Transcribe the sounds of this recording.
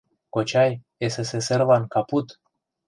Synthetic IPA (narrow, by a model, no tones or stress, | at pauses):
kot͡ʃaj | eseseservankaput̪